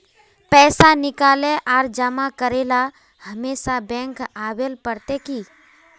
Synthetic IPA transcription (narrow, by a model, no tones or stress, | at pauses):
pɛːsanɪkaːleʔaːɾd͡ʒəmakəɾeːla | həmeːsabɛ̃ːŋkaːwelpəɾt̪eki